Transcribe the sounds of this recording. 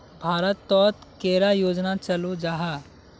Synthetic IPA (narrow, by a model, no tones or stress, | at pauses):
bʱaːɾət̪ːɔːt̪keːɾajoːd͡ʒnat͡ʃɐlod͡ʒaːɦaː